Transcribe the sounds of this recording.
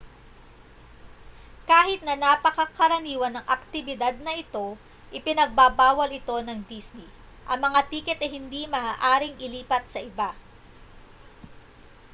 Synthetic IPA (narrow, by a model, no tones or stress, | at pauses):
kaːɦɪt̪̚nɐnapɐkɐkɐɾɐniːwɐnɐŋʔɐk̚t̪ɪbɪd̪ad̪̚nɐʔɪt̪o̞ | ʔɪpɪnɐɡ̚babaːwɐlɪt̪o̞nɐŋd̪isni | ʔɐŋmɐŋat̪iːkɛt̪ɛhɪnd̪imɐaːʔaːɾɪŋɪliːpɐt̪̚sɐʔɪba